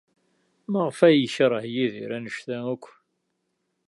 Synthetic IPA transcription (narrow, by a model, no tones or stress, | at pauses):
məʁfæjəçɾˤəhjiðḭɾænəʃθæŋækʷː